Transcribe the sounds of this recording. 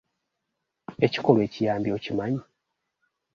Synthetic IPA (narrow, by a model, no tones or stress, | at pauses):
e̞ci̥ko̞lwe̞ːcijaːmbio̞cimaɲi